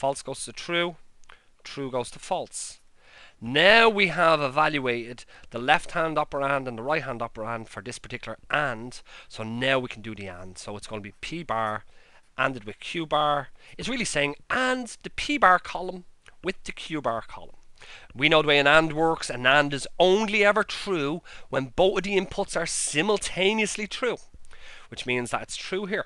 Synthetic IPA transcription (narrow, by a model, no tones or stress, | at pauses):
fɔlˠtsɡ̥oʊz̥tʰəðətʰɹ̥uː | tʰɹ̥uːɡoʊz̥tʰəfɔlˠts | naʊwiəvɪvaljueɪɾɪd̪̚ðəlɛft̚hãndɑpə˞ãndə̃nðəɹaɪt̚ɦãndɑpə˞ãnd̥fə˞ðɪspʰə̥˞tʰɪkjl̩ˠə˞ʔãnd̥soʊnaʊwikʰə̃n̩dɨðiã̰nd̥soʊɪtsɡ̥õʊ̃nəbipʰibaɹ | ʔãndɨd̚wɨð̥kʰj̥ʉbaɹɨtsɹɪːlˠiseɪɪ̃ŋʔãnðəpʰibaɹkʰɑlˠə̃mwɪðɨkʰj̥ʉːbaɹkʰɑ̰lˠə̃mwinoʊðəweɪə̃nãndwɜ˞ksə̃nãndɨzõʊ̃nliɛvə˞tʰɹ̥uːwə̃nboʊθəvðiɪ̃mpʰʊtsə˞sɪ̃məl̩ˠtʰẽɪ̃niəslitʰɹ̥uː | wɨt͡ʃmĩnzðəɾɪtstʰɹ̥uːɦiɹ